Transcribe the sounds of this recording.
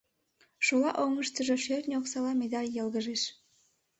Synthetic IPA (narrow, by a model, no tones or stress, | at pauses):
ʃulɑʔoŋəʃt̪ə̆ʒoʃørʲnʲoksɑlɑmed̪ɑlʲjɤ̆lɣə̆ʒeʃ